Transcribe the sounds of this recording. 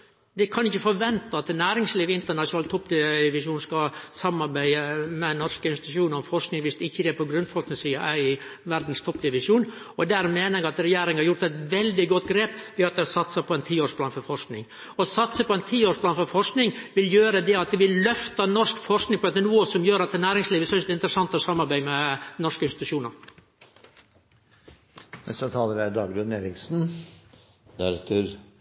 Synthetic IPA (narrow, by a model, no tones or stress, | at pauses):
d̪ɛkʰɑnɪçːəfɔɾʋɛnt̪ɑɑt̪næːɾɪŋsliːʋɪnt̪əɳɑʂnɑːlt̪ʰɔpːd̪ɪʋɪʂuːnskɑsɑmːɑɾbæɪəmɛnɔʂkəɪnst̪ːʃuːnɔfɔɾknɪŋʋɪsd̪ɛɪçːəd̪ɛpɔɡɾʉnfɔɾʂknɪŋsiːɑʔæɾɪʋæɾd̪n̩st̪ʰɔpːd̪ɪʋɪʂuːn | ɔd̪æɾmeːnəɾɛɡɑt̪ɾɛjæːɾɪŋəhɑɾjʊɾt̪ɛɪt̪ʋɛld̪ɪɡɔt̪ɡɾeːpʋɪɑt̪̚d̪ɛhɑsɑt̪sɑpʰɔɛnt̪ʰiːoːʂpʰlɑːnfɔɾfɔʂknɪ̰ŋ | ɔsɑt̪səpɔɛnt̪ʰiːoːʂplɑːnfɔɾfɔʂknɪŋʋɪljøːɾəd̪ɛɑt̪̚d̪ɛʋɪllœft̪ɑnɔʂkfɔʂknɪŋpʰɔɛt̪ːənuːəsɔmjøːɾɑt̪d̪ɛnæːɾɪŋsliːʋəsœst̪ɪnt̪ɾəsɑnt̪ɔsɑmːɑɾbæɪmɛnɔʂkəɪnst̪ɪt̪ʉ̥ʃuːnɑɾ | nɛ̰sət̪ʰɑːləʋɪæd̪ɑːɡɾʉneːɾɪksn̩ | d̪æɾɛt̪ʰəɾ